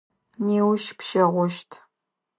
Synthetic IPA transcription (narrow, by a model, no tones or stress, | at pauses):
neːwʃpʃɐʁʷɔʃtʰ